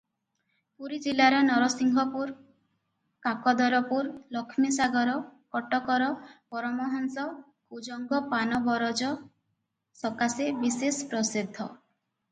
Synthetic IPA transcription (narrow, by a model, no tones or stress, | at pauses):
puɾid͡ʒilaɾɔnɔɾɔsiŋɡʱɔpuɾ | kakɔd̪ɔɾɔpuɾlɔkʰmisaɡɔɾɔkɔʈɔkɔɾɔpɔɾɔmɔɦɔnsɔ | kud͡ʒɔŋɡɔpanɔbɔɾɔd͡ʒɔ | sɔkasebisespɾɔsid̪ʱːɔ